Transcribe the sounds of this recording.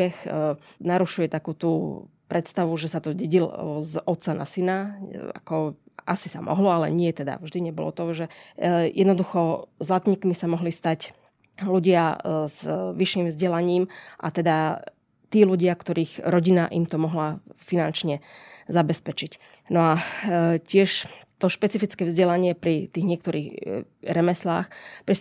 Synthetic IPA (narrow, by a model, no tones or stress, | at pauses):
ɛxnaɾuʃujɛt̪akuːt̪uːpɾɛt̪st̪aʋuʒɛsat̪ɔɟɛɟilzɔt̪sana̰sinaa̰kɔ | a̰sisa̰mʔɔ̰ɦlɔalɛ̰ɲɪɛt̪ɛd̪a̰vʒd̪iɲɛbɔ̰lɔ̰t̪ɔʒɛjɛd̪nɔd̪uxɔzlat̪ɲiːkmisamɔɦlist̪ac | luɟɪaz̥ʋiʃːiːmvzɟɛlaɲiːmʔa̰t̪ɛd̪a | t̪iːluɟɪakt̪ɔɾiːxɾɔɟina̰ʔḭmt̪ɔmɔɦlafinant͡ʃɲɛzabɛspɛt͡ʃic | nɔacɪɛʃt̪ɔʃpɛt͡sifit͡skɛːvzɟɛlaɲɪɛpɾit̪iːɣɲɪɛk̚t̪ɔɾiːɣɾɛmɛsla̰ːxpɾi